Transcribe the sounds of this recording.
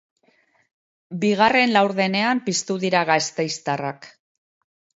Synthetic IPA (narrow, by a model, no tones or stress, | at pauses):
biɣ̞are̞nlawɾðe̞ne̞ampist̪uðiɾaɣast̪ejst̪arak